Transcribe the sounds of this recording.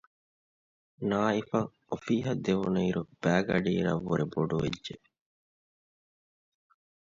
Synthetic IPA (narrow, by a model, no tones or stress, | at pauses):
naːifɐŋ | ofiːɦɐd̪eʋunɐiɾub̥æːɡɐ̰ɖiːɾɐ̰ʋːuɾeboɖuʋḛdʒe